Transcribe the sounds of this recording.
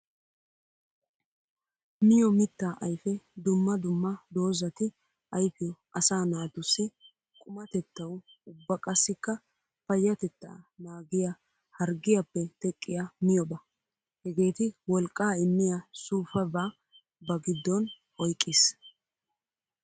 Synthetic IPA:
mɪjɔmɪt̪ːaːʔɐjfɛd̪ʊmːɐd̪ʊmːɐd̪o̞ːzɐt̪ɪ | ɐjfɪjɔ | ɐsaːnaːd̪ʊsɛ | kʼʊmɐt̪ɛt̪ːɐwʊbːɐkʼɐsːɪkːɐ | fɐjːɐt̪ɛt̪ːa̰ːnaːɡɪja | hɐɾɡɪjapːɛt̪ɛkʼːɪjamɪjɔbɐ | hɛɡe̞ːt̪ɪwɔlkʼːaːɪmːɪjasuːfɐbaː | bɐɡɪd̪ːɔn | ɔjkʼːɪs

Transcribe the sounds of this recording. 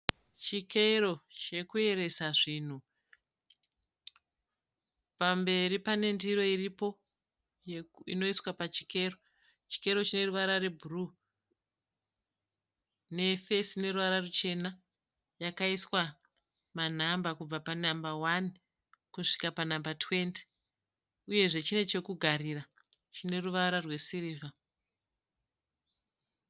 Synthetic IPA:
t͡ʃikeɾo̞t͡ʃe̞kue̞ɾe̞saʐin̤u | pambe̞ɾipane̞ndiɾo̞iripo̞ | ḭno̞iswapat͡ʃi̥ke̞ro̞ | t͡ʃi̥ke̞ɾo̞t͡ʃine̞ruʋaɾare̞bʱuru | ne̞fesine̞ruʋaɾarut͡ʃe̞na | jakaiswa | man̤ambakub͡vapanambawan | kuʂi̥kapanambatwe̞nti̥ | uje̞ʐe̞t͡ʃine̞t͡ʃe̞kuɡʱaɾira | t͡ʃine̞ruʋaɾarwe̞siɾiːva

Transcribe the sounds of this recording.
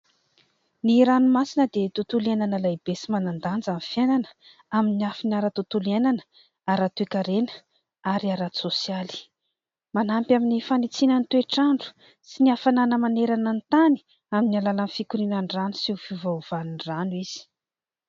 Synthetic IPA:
niɾanumasinəd̪et̪ut̪uliananəlajbesimanand̪and͡zanfjananə̥ | aminiafinaɾat̪ut̪ulienanə̥ | aɾat̪uekaɾenə̥ | aɾiaɾasosijali̥ | manampjaminifanit͡sinənit̪ueʈ͡ʂaɳɖ͡ʐu̥ | siniafananəmaneɾanant̪ani̥ | aminalalanfikuɾinanranusifivav̥aninranwiz̥i̥

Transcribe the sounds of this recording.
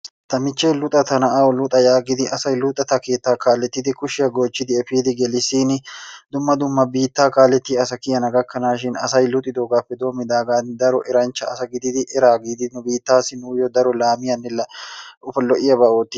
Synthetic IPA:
t̪ɐmɪt͡ʃːeːlʊt̪ʼɐt̪ɐnɐʔaːwɔlʊt̪ʼɐjaːɡɪd̪ɪʔɐsɐjlʊt̪ʼɐt̪ɐke̞ːt̪ːaːkaːlɛt̪ːɪt̪ɪkʊʃɪjɐɡoːt͡ʃːɪd̪ɪɛfiːd̪ɪɡɛlɪsiːnɪd̪ʊmːɐd̪ʊmːɐbiːt̪ːaːkaːlɛt̪ːiːɐsɐkɪjɐnɐɡɐkːɐnaːʃɪnɐ̰sɐjlʊt̪ʼːɪd̪oːɡaːfːɛd̪oːmɪd̪aːɡaːnd̪ɐɾɔʔɛɾɐnt͡ʃːɐɐsɐɡɪd̪ɪd̪ɪʔɪɾaːɡɪd̪ɪnʊbiːt̪ːaːsɪnuːjɔd̪ɐɾɔlaːmɪjɐnːɪlːɐʊfɐlɔʔɪjɐbɐʔoːt̪ːɪ

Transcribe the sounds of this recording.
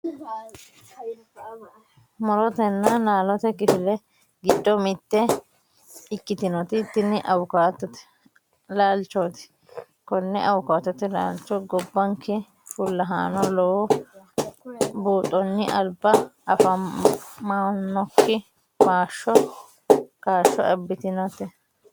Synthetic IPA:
mɔɾɔt̪ɛnːɐnaːlɔt̪ɛkɪfɪlɛ | ɡɪd̪ːɔmɪt̪ːɛ | ɪkːɪt̪ɪnɔt̪ɪt̪ːɪnɪʔɐwʊkaːt̪ːɔt̪ɛ̥ | laːlt͡ʃːɔːt̪ɪ̥ | kɔnːɛʔɐwʊkaːt̪ːɔt̪ɛla̰ːlt͡ʃːɔɡɔbːɐŋkɛ | fʊlːɐɦa̰ːnɔlɔwɔ | buːt̪ʼːɔnːɪʔɐlbːɐɐfɐ | manːɔkːɪ | baːʃːɔ | kaːʃːɔ̰ɛbːɪt̪ɪnɔt̪ɪ

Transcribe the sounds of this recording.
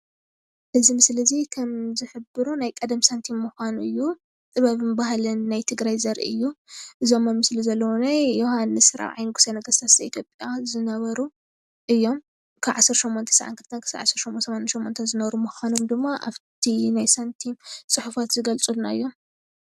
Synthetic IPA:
ʔɨzimɨslɐzikʰɐmzɨħɨbɨɾunajkʼɐd̪msɐnt̪ʰimːɨxanɨ̰jːu | t̪ʼɨβɐβɨnbaɦalɐnːajt̪ʰɨɡɾajzɐɾʔḭʔɨjːuʔɨzo̞mːɐmɨslizɐlːɐwonajːohanːɨsɨɾa̰βʕa̰jnɨɡu̥senɐɡɐst̪ʰḁɐḭt̪ʰjopʼjazɨnɐβɐɾu | ʔɨjːo̞m | kʰaβʕasːɐɾʃo̞mːont̪ʰɐ̥saʕa̰nkɨlt̪ʰɐnkʰɨ̥sa̰ʕa̰sːɐɾʃomːʔonsɐmanʃomːont̪ʰɐnzɨnɐβɐɾumɨxʷanomd̪ɨmːaʔa̰βt̪ʰinajsɐnt̪ʰimsʼɨħufat̪zɨɡɐlt͡sʼulna̰ɨ̰jːo̞m

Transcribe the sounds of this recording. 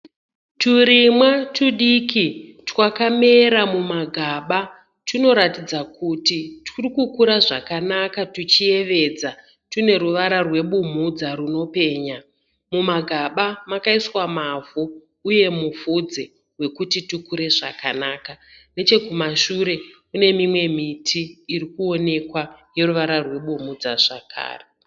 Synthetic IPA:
tuɾimwatuɗikitwakameɾamumaɡʱaːɓa | tino̞ɾatid͡zakutitʰurikukuɾaʐa̰kanakatut͡ʃie̞ʋe̞d͡za | tune̞ɾuʋaɾarwe̞ɓum̤ud͡zaɾuno̞pe̞ːɲa | mumaɡʱaɓamakaiswamavuː | je̞mufud͡ze | we̞kutitukuɾe̞ʐa̰kanaːkane̞t͡ʃe̞kumaʃuɾe̞kune̞mimwe̞mitʰiːɾikuo̞ne̞kwaje̞ɾuʋaɾarwe̞ɓumud͡zaʐ̥akʰa̰ːre

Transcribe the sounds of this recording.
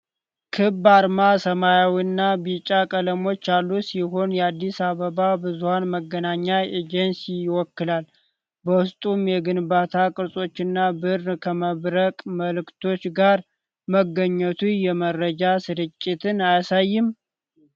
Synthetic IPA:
kʰɨbːaɾmasəmajawiɨnːabit͡ʃʼakʼələmo̞t͡ʃːjalːusiho̞njɛad̪ːisaβəβabɨzuhanməɡənaɲːajed͡ʒɛnsijɪwɔkːɨlal | bəwʊst̪ʼumjɛɡɨnbat̪ʰakʼɨɾsʼo̞t͡ʃːɪnːabɨɾnkʰəməβɾəkʼməlɨkt̪ʰo̞t͡ʃːɡaɾ | məɡəɲːət̪ʰujɛmərəd͡ʒasɨɾɨt͡ʃʼːɪt̪ʰɨnajasajːɪm

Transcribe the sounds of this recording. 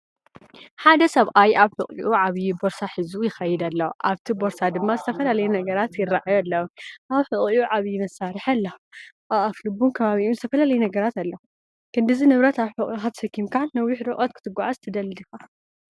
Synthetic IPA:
ħad̪ɐsɐβʔajaβħɨkʼḭʔuʕaβjibo̞ɾsaħɨzujɪxɐjɪd̪ɐlːɐʔaβt̪ʰibo̞ɾsad̪ɨmːazɨt̪ʰɐfɐlalɐjunɐɡɐɾat̪jɪraʕajulːɐwʔaβħɨkʼiuʕaβjimɐsːaɾɨħalːɐ | ʔaaflɨbumkʰɐβaβiʔuzɨt̪ʰɐfɐlalɐjunɐɡɐɾat̪ɐlːɐ | kʰɨnd̪ɨzinɨβɾɐt̪aβħʊʔʼixat̪sɐkːimkanɐwːiħɾɨʔʼot̪kʰɨt̪ʰɨɡːaʕazt̪ʰɨd̪ɐlɨd̪ɨxa

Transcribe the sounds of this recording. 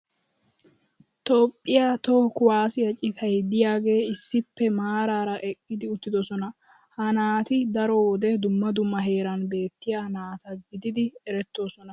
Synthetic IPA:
t̪oːpʼːɪjat̪okʊwaːsɪjɐt͡ʃʼɪt̪ʰɐjd̪ɪjaːɡe̞ːɪsːɪpːɛmaːɾaːɾɐʔɛkʼːɪd̪ɪʊt̪ːɪd̪ɔsɔnɐ | hɐnaːt̪ɪd̪ɐɾowɔd̪ɛd̪ʊmːɐd̪ʊmːɐɦe̞ːɾɐnbe̞ːt̪ːɪjaːnaːt̪ɐɡɪd̪ɪd̪ɪɛɾɛt̪ːo̞ːsɔnɐ

